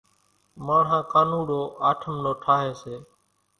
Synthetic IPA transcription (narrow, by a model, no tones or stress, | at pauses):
maːɳɦãːkaːnũːɗoːʔaːʈʰəmnoːʈʰaːɦeːseː